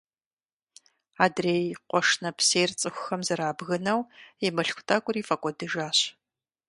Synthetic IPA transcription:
aːdreːjqʷɔʂnɐpʰseːjrt͡sʼɨxʷʊxɐmzɐɾaːbɣɨnɐwemɨɬxʷʊtʰʼaːkʷʼʊriːfʼɐkʷʼɔdɨʒaːɕ

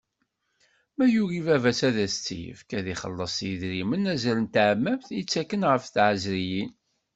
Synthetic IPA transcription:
mæjuɣivævæsæðæst͡sːḭjə̰fkæðiχə̰lːəsˤjəðɾimənæzælənt̪ʕəmːæbθjət͡sːækːənʁəfθʕəzɾijin

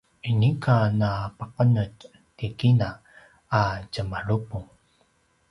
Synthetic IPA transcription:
inikʰanapaqənət | tikinaː | cəmaɭupuŋ

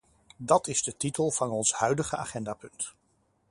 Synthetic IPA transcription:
dɑtɪzdətitəlˠvɑnɔnshœɥdəχəa̰ːχɛndaːpɵnt

